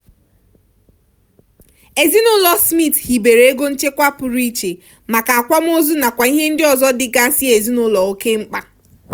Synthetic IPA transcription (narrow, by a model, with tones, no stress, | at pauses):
e˨zi˦nʊ˦lɔ˦smi˦˨thi˨be˨ɾe˨e˦ɡo˦n̩˦t͡ʃe˦kʷa˦pʊ˨ɾi˦t͡ʃe˨ | ma˨ka˨a˨kʷa˦m̩˦o˦zu˦na˨kʷa˨i˦ɦe˦n̩˦dɪ˦ɔ˨zɔ˦dɪ˨ɡa˦si˦e˨zi˦nʊ˦lɔ˨o˦ke˦ŋ͡m̩˦k͡pa˦